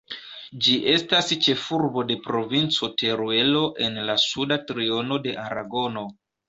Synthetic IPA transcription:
d͡ʒiʔe̞stast͡ʃe̞fuɾbo̞de̞pɾo̞vint͡so̞te̞ɾue̞lo̞ʔe̞nlasudatɾio̞no̞de̞ʔaɾa̰ɡo̞no̞

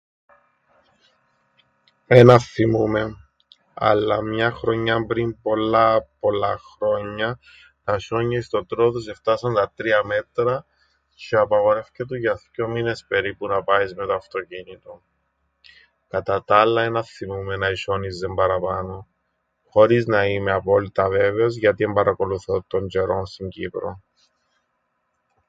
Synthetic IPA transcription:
enɐθimume̞ | ɐ̰lːɐmɲɐxɾo̞ɲːɐmbɾimpo̞lːɐpo̞lːɐxɾo̞ɲːɐ | nɐsoɲːɐist̪o̞t̪ɾoðose̞ft̪ɐsɐnt̪ɐt̪ɾiɐme̞t̪ɾɐ | ceɐpɐɣo̞ɾe̞fcet̪uʝɐθco̞mine̞spe̞ɾipunɐpɐizmet̪oɐft̪o̞cinit̪o̞ | kɐt̪ɐt̪ɐlːɐenɐθimumenɐisonizðembɐɾɐpɐno | xo̞ɾiznɐimeɐpo̞lit̪ɐve̞ve̞o̞zʝɐt̪ie̞mbɐɾʔɐko̞luθot̪oɲd͡ʒeɾo̞nst̪iɲɟipɾo̞̰

